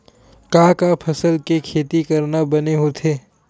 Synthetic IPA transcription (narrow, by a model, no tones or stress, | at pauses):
kãːkapʰɐsəlkekʰeːt̪ikɐɾnabɐneɦot̪ʰeː